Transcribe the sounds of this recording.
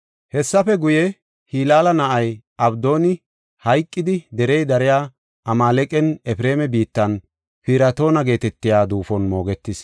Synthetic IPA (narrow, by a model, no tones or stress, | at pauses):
hɛsːɐfɛɡʊjɛ | hiːlaːlɐnɐʔɐj | ɐbd̪o̞ːnɪ | hɐjkʼːɪd̪ɪd̪ɛɾɛjd̪ɐɾɪjaː | ʔɐmaːlɛkʼɛnɛfɪɾe̞ːmɛbiːt̪ːɐn | fɪɾɐt̪o̞ːnɐɡe̞ːt̪ɛt̪ːɪjaːd̪uːfɔnmo̞ːɡɛt̪ːɪs